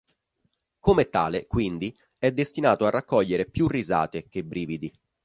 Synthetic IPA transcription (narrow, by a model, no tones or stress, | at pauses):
komɛt̪ːaːlekwind̪i | ɛd̪ːest̪inaːt̪oarːakːɔʎːeɾepjurːiza̰ːt̪ek̟ebːɾiːvid̪i